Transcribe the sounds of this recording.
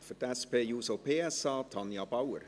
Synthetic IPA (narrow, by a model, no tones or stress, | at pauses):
fətɛspeːjuːsopʰeːɛsɑːtʰɑnjɑbawə̰ɾ